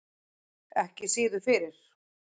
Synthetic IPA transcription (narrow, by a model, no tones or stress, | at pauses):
ɛhcɪsiːðʏfɪɾɪɾ̥